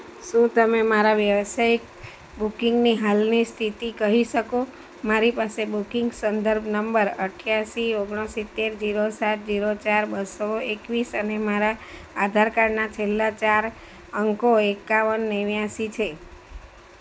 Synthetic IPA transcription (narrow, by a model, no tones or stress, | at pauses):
ʃũt̪əmemaɾaʋjəʋsajik | bukiŋɡniɦalnist̪ʰit̪ikəɦiʃəko | maɾipasebukɪŋɡsənd̪əɾbʱnəmbəɾəʈʰjasioɡɳ̃osit̪ːeɾd͡ʒiɾosat̪̚d͡ʒiɾot͡ʃaɾbəsoekʋisənemaɾaː | d̪ʱaɾkaɾnat͡ʃʰelːat͡ʃaɾ | əŋkoekaʋənːeʋjasit͡ʃʰe